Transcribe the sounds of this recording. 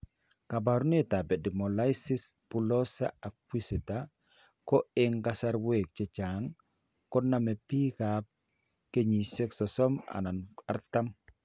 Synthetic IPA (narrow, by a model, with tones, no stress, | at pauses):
ka˨baɾune˦ta˨bɛ˨di˨mɔ˨la˦jsɪ˦spu˨lɔ˦sa̰˦a˨k̚wi˦si˨ta˦ | kɔ˦ɪ˦ŋka˦sa˦ɾwe˨k̚t͡ʃɛ˨t͡ʃa˨ŋ | kɔnːa˨mɛ˨pi˦kap̚ | ke˦ɲi˨se˦ksɔsɔ˦ma̰˨na˨na˦ɾta˦m